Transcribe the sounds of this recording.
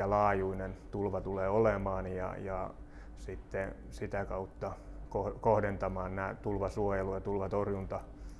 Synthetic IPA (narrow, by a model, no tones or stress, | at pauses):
ɑlɑːjuinent̪ulʋɑt̪uleːolemɑːnjɑ̰jɑ | sit̪ːe | sit̪ækɑut̪ːɑkohkohdent̪ɑmɑːnnæːt̪ulʋɑsuojelujɑt̪ulʋɑt̪orjunt̪ɑ